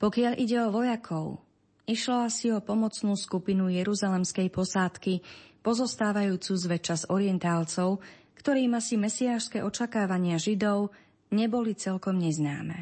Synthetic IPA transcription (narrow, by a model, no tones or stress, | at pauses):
pɔkɪaʎʔiɟɛɔʋɔjakʰɔʊ | iʃlɔasiɔpɔmɔt͡snuːskupinujɛɾuzalɛmskɛjpɔsaːt̪kipɔzɔst̪aːʋajuːt͡suːzʋɛt͡ʃazɔɾiɛnt̪aːlt͡sɔʊ | kt̪ɔɾiːmasimɛsiaːʃskɛːʔɔt͡ʃakaːʋaɲɪaʒid̪ɔʊ | ɲɛbɔlit͡sɛlkɔmɲɛzna̰ːmɛ̰